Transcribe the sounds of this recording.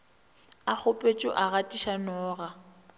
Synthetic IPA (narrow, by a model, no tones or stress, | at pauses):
ak͡xʊpʼet͡ʃʼɔ̰ʔaɣatʼiʃanɔːɣa